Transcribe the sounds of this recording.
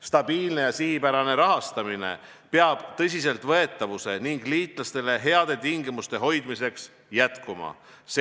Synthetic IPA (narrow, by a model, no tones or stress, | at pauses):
st̪ɑb̥iːlne̞jɑsihipæɾɑne̞ɾɑɦɑst̪ɑmine̞̰pe̞ɑb̥t̪ɤs̬ʲis̬e̞lt̪ˑvɤ̞e̞t̪ːˑɑvuse̞niŋɡ̥liːt̪ˑlɑst̪e̞le̞ɦe̞ɑd̪̥e̞t̪iŋɡimust̪e̞ɦo̞jd̪̥mise̞ks | jæt̪kumɑ̰ | s